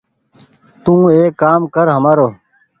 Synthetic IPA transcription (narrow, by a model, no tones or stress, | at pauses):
t̪ũːeːkːaːmkəɾɦəmaːɾoː